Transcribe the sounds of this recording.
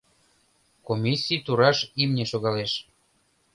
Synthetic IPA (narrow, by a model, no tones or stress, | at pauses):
komʲisʲːit̪uɾɑʃimnʲeʃoɣɑleʃ